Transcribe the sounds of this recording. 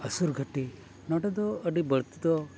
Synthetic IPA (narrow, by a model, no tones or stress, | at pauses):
ɐsuɾɡʱɐʈi | nɔʈɐd̪ɔɐɖibɐɾt̪id̪ɔ